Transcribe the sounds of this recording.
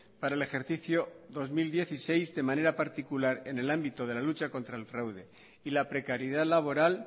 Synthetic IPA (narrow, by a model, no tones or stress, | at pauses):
paɾaele̞xe̞ɾθiθjoðo̞zmild̪je̞θise̞jzde̞mãne̞ɾapaɾt̪ikulaɾe̞ne̞lambit̪o̞ð̞e̞lalut͡ʃako̞nt̪ɾaelfɾawðe̞ | ilapɾe̞kaɾjeðaðlaβ̞o̞ɾal